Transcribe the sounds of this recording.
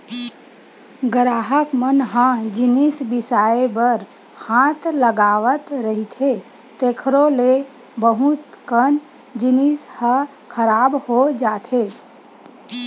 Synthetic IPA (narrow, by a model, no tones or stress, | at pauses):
ɡɾaːɦəkmənɦə̃d͡ʒɪnisbɪsaːebəɾ | hãːt̪ʰləɡaːʋət̪ɾəɦit̪ʰe | t̪eːkʰɾole | bəɦut̪kən | d͡ʒɪnishə | kʰəɾaːbhod͡ʒaːt̪ʰe